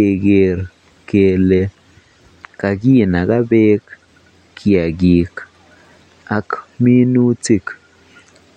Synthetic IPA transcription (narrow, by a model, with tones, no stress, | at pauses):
e˨ɡe˨ɾ | ke˨le˨ | ka˨ɡi˦na˨ka˦be˦k | kʰi˨a˨ɡi˨k | a˨kmi˦nu˦t͡si˦k